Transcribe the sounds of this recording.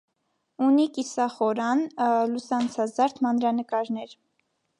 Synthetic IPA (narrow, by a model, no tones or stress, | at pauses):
unikisɑχɔɾɑnlusɑnt͡sʰɑzɑɾt̪ʰmɑnɾɑnəkɑɾnɛɾ